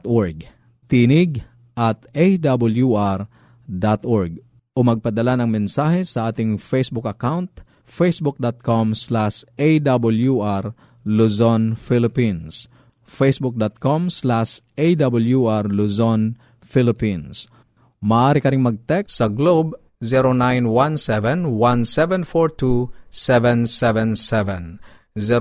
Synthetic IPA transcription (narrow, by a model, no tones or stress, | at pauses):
t̪ʔoɹɡ̚ | t̪inɪɡ | ʔɐt̪ejd̪abʊljuʔaɾ | d̪at̪ʔoɹɡ̚ | ʔomɐɡ̚pɐd̪ɐlanɐŋmɛnsaːhɛsɐʔaːt̪ɪŋfejsbʊkɐkawnt̪ | fejsbʊk̚d̪at̪̚komslaʃʔejd̪abʊljuʔaɾ | lusonfilɪpins | fesbuk̚dɔt̪̚kɔmslaʃ | edabəljuarluzɔn | filipins | maaɾikaɾiŋmaɡ̚t̪ɛk̚saɡlob | ziɾonãjnwãnsɛvɛ̃nwãnsɛvɛ̃nfɔɹtusɛvɛ̃nsɛvɛ̃nsɛvɛ̃n | zi